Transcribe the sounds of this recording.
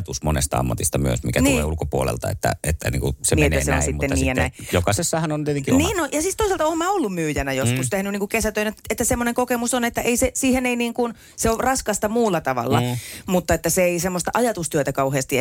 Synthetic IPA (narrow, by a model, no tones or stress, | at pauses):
t̪usmo̰nḛst̪ɑ̰ɑ̰mːɑt̪ist̪ɑmyø̰smikætniːlḛːulkopuolḛlt̪ɑḛt̪ːæ̰et̪ːæ̰nḭːŋkusemnienːæ̰seo̰n̰sitmut̪ːenːniːjɑnæijokɑsesːɑhɑnont̪iet̪eŋkiniːnnojɑsist̪oˑisɑlt̪ɑoːmæːolːummyːjænæjoskust̪ehnyniːŋkukesæt̪øˑineet̪ːæsemːoneŋkokemusonet̪ːæʔeisesiːheneiniːŋkun | seorɑskɑst̪ɑmuːlːɑt̪ɑʋɑ̰lːɑ̰mut̪ːɑet̪ːæseeisemːost̪ɑʔɑjɑt̪ust̪yøt̪ækɑuheːst̪i